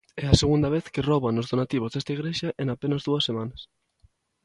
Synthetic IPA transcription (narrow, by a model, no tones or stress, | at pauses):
ɛaseɣ̞ũnd̪ɐβ̞eθkeroβanozðonat̪iβ̞ozðest̪aiɣ̞ɾeʃɐʔeŋapenɐzðuɐsːemãnɐs